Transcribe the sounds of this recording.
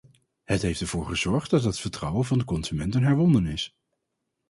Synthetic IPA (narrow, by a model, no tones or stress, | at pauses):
hətɦejftɛɹv̥ʊːɹχəzɔɹχt̚dɑtɦətfəɹtrʌwənvɑndəkɔnz̥ymɛntənɦɛɹʋɔndənɪs